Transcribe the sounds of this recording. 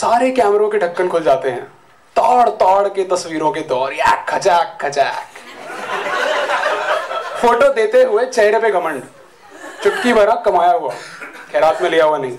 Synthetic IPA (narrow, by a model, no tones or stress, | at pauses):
saːɾekɛːmɾõkeɖʱɐkːənkʰʊld͡ʒaːt̪eɦɛ̰̃ː | t̪aːɽt̪aːɽket̪ɐswiːɾõked̪ɔːɾjɛ̰ːkʰːɐd͡ʒaːkʰːɐd͡ʒɛːk | foːʈod̪eːt̪eɦʊet͡ʃɐɦɾepeɡɐmə̃ɳɖ | t͡ʃʊʈkibɐɾãkɐmaːjaɦʊa̰kʰeːɾaːt̪mẽlijaɦuanɐɦĩː